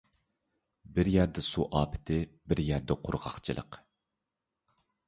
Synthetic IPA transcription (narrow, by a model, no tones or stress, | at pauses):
bɪɾjæɾd̪ɛsuʔɑːpʰɪ̥t̪ʰɪbɪɾjæɾd̪ɛqʰʊ̰ɾʁɑ̰χt͡ʃʰɨlˠə̰q